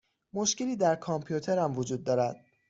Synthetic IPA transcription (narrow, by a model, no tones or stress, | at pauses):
mo̞ʃce̞liːd̪æɾkʰɒmpʰijut̪ʰe̞ɾæmvod͡ʒuːd̪̚ːɒːɾæd̪̥̚